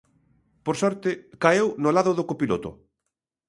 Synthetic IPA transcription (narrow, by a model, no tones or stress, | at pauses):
poɾsɔɾt̪ɪkaewnolaðʊðʊkopilot̪ʊ̰